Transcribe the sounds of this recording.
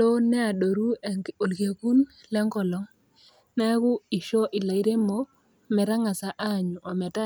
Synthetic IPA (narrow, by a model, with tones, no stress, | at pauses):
lo˦nɛ˦a˨do˨ɾu˦˨o˨lke˨ku˦n | lɛ˦ŋkɔ˨lɔ˨˦ŋ | nɛ˦kʊ˦i˨ʃɔ˦ʔɪ˨la˨i˦ɾe˦mo˦ | mɛ˨ɾa˦ŋa˨sa˨ʔa˦˨ɲʊ˨ʔɔ˨mɛ˨ta˦